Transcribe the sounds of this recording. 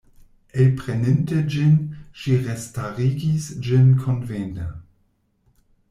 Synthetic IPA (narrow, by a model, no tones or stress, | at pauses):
ʔelpʁenɪntəd͡ʒɪnʃiʁestaʁiɡisd͡ʒɪnkʰonventa̰